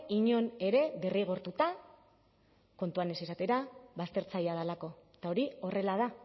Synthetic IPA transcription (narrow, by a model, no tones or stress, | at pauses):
iɲo̞ne̞ɾe̞βeriɣ̞o̞ɾt̪ut̪a | ko̞nt̪uane̞sisat̪e̞ɾaβast̪e̞ɾt͡sajað̞alako̞t̪ao̞ɾio̞re̞lað̞a